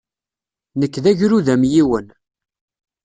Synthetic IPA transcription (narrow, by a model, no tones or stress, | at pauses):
nəkːðæʝɾuðæmjiwən